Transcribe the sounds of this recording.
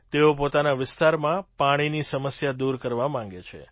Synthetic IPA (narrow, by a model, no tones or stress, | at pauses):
t̪eopot̪anaʋɪst̪aɾmãpaɽ̃inisəməsjad̪uɾkəɾʋamãŋɡet͡ʃʰḛ